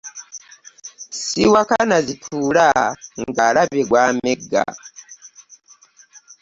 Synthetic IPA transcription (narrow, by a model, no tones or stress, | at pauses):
siwakanazitʰulaŋɡalabeɡwameɡa̰